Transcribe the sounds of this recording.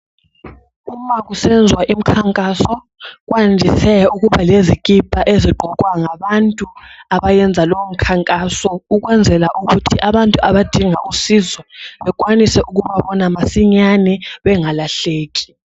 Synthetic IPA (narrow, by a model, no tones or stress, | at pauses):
umaɣusɛnd͡zʱwaʔim̩kʰaŋkʼasɔ | ɣ̬wand͡ʒʱisɛuɣuβalezikʼib̥ʱaʔeziɡ͡ǃʱɔkʼwaŋaβantʼuaβajɛnd͡zʱalowm̩kʰaŋkʼasɔuɣwɛnd͡zʱɛlaʔuɣutʰiʔaβantʼuaβad̥ʱiŋaʔusizwɛβɛk̬ʼwanisɛʔuɣuβaβɔnamasiɲanɛβɛŋalaɬeːɣi̥